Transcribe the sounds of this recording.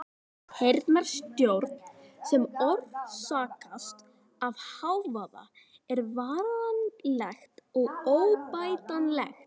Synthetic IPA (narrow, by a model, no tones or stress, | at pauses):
hejɾt̪mɛɾ̥st̪jowɾt̪nsɛmɔɾvsaːkast̪ | avhawvaːða̰ | ɛɾvaːɾanlɛxt̪ɔɣoːwpaːjt̪anlɛ̰xt̪